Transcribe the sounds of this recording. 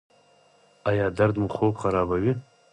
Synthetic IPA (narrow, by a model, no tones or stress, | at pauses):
ajaːdard̪muχowpqaɾabaɥi